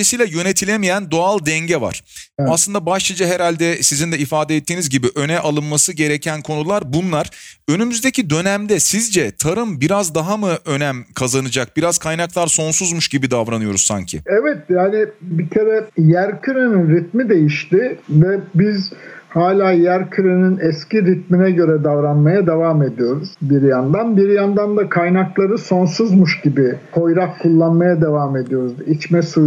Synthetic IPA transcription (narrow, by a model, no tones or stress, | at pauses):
isijːlʲajø̞ne̞t̪ʰilʲemijænd̪o̞alˠd̪ɛɲɟɛva̰ɾ̥aslɯnd̪abaʃlˠad͡ʒaɦeɾalʲd̪ɛsizind̪ɛifaːd̪ɛɛt̪ʰːiːnizɟibiʔø̞nɛʔalˠɯnmasɯɟe̞ɾɛcʰænkʰo̞nulˠaɾbunlˠaɾ̥ø̞nymyzd̪ecʰid̪ø̞næmd̪ɛsizd͡ʒɛt̪ʰaɾɯmbiɾazd̪aɦamɯʔø̞næmkʰazanɯd͡ʒak̚biɾaz̥kʰajnaklˠaɾso̞nsuzmuʃɟibid̪avɾanɯjo̞ɾuzsa̰ɲcʰḭɛvɛt̪jaːnɪbicʰeɾɛjæɾcʰyɾeninɾit̪̚mid̪e̞jiʃt̪ɪvɛbizhaːlʲaːjæɾcʰyɾeninɛsciɾit̪̚minɛɟø̞ɾɛd̪avɾanmajad̪e̞vaːme̞d̪ijo̞ɾuz̥biɾjand̪anbiɾjand̪and̪akʰajnaklˠaɾɯso̞nsuzmuʃɟibikʰo̞jɾakkʰːulˠːanmajad̪e̞vaːme̞d̪ijo̞ɾuzit͡ʃmɛsu